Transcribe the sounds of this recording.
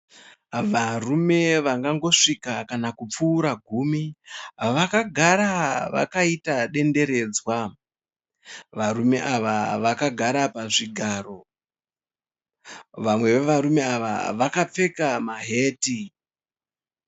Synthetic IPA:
ʋarume̞ʋaŋɡaŋɡo̞ʂikakanakup͡fuːɾaɡʱumiɦʋakaɡʱaɾaʋa̰kaitaɗe̞nde̞ɾe̞ːd͡zwa | ʋaɾume̞ʔaʋaʋakaɡʱaɾapaʐiɡʱaːro̞ | ʋamwe̞ʋeʋaɾume̞aʋa̰ʋakap͡fe̞kamaɦe̞ːti

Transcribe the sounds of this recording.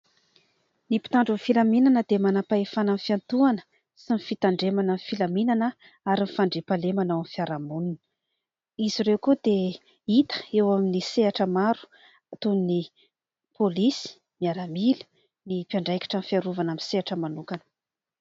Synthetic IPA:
nipi̥t̪aɳɖ͡ʐufilaminanəd̪emanapaefananfiant̪uanə̥ | sinifit̪aɳɖ͡ʐemananfilaminanə | aɾinfaɳɖ͡ʐepalemanawamfiaɾamununə | iziɾewkud̪e | it̪ə̥ewaminiseaʈ͡ʂəmaɾu̥ | at̪unni | polisi̥ | miaɾamili̥ | nipjaɳɖ͡ʐajkḁʈ͡ʂanfiaɾuvanaminseaʈ͡ʂəmanukanə̥

